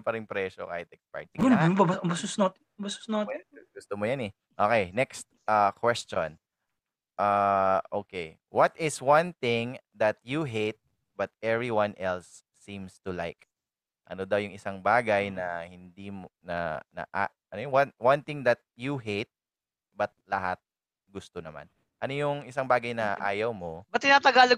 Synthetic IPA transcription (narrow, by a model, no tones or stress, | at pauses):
pɐɾɪŋpɾɛːʃo̰ka̰ːhɪt̪̚ɛkspa̰jt̪ɪɡʊnbɐbɐɐbɐsʊsnot̪ | bɐsʊ̥snoɡʊst̪omojɐnɛ | ʔoːkejnɛkst̪̚ʔakwɛst͡ʃo̰n | ʔaːʔoːkej | wɐt̪ʔɪswɐnθɪ̃ŋd̪ɐt̪̚juɦejt̪̚ | bɐt̪̚ʔɛvɹiwãnʔɛlsː | ĩmst̪ʊlajk̚ | ʔɐnod̪ɐwjʊŋɪsaŋbaːɡɐjnɐhɪnd̪imnɐ̰nɐ̰ʔa | ʔɐnojwɐnwɐnt̪ɪŋd̪ɐt̪̚juɦejt̪̚ | bɐt̪̚lɐɦat̪̚ | ɡʊst̪onɐma̰n | ʔɐnojʊŋɪsaŋbaːɡɐjnɐʔa̰ːjɐwmobɐt̪ːɪnaːt̪ɐɡaːlɐ